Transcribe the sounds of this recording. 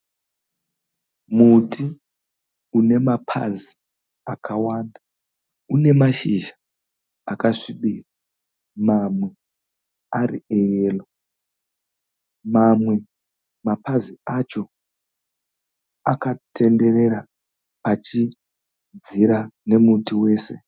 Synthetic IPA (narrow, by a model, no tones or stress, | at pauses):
mutʰi | une̞mapʰa̰zi | akʰawaːnda | une̞maʃiʒa | akaʂiɓiːra | mamwe̞ | arḭejeːlo | mamwe̞ | mapaziat͡ʃo̞ | akatʰe̞nde̞ɾe̞ɾa | pat͡ʃi | d͡ziɾane̞mutiwe̞ːse̞̰